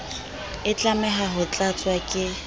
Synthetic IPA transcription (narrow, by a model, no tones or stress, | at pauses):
ɪt͡ɬʼamɛɦaɦʊt͡ɬʼat͡sʼwakʼɪ